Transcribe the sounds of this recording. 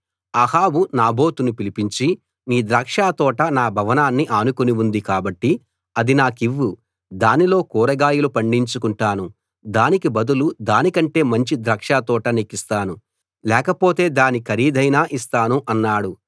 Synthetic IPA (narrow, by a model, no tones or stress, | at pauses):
ɐhaːbunaːbo̞ːt̪unupilipiɲt͡ʃi | niːd̪ɾaːkʂaːt̪ɔːʈɐnaːbʱɐʋɐnaːnːiʔaːnukuniʋund̪ikaːbɐʈːi | ɐd̪inaːkiʋːu | d̪aːnilo̞ːkuːɾɐɡaːjulupɐɳɖiɲt͡ʃukuɳʈaːnu | d̪aːnikibɐd̪ulud̪aːnikɐɳʈe̞ːmɐɲt͡ʃid̪ɾaːkʂaːt̪ɔːʈɐnekːist̪aːnu | lɛːkɐpo̞ːt̪e̞ːd̪aːnikʰɐɾiːd̪ʱɐjnaːʔist̪aːnuʔɐnːaːɽu